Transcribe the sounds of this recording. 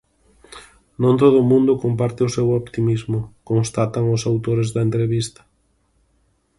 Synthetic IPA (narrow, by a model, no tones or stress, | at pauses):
nõnt̪oðʊmũnd̪ʊkompaɾt̪ɪʊsewopt̪imizmʊkonst̪at̪ɐŋʊsawt̪oɾezðɐent̪ɾeβist̪ɐ̥